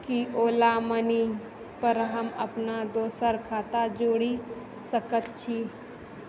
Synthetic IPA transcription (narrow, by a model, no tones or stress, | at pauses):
kiʔoːlaməni | pəɾɦəməpnad̪oːsəɾkʰaːt̪ad͡ʒoːɽi | səkət̪t͡ʃʰi